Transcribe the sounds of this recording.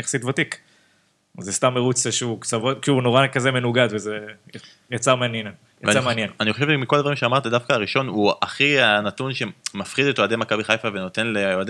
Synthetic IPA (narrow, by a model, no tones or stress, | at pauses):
njχasit̪vot̪ik | zest̪amːeʁut͡saʃeukt͡savotkiuunoʁakazemenuɡad̪veze | jat͡saʁmeanjen | javaameanjenaniχoʃevʃemikolad̪vaʁimʃeamaʁt̪ad̪afkaːʁiʃo̞nuaχianat̪unʃe̞mafχid̪et̪oad̪emakabiχajfave̞no̞t̪e̞nleoad̪e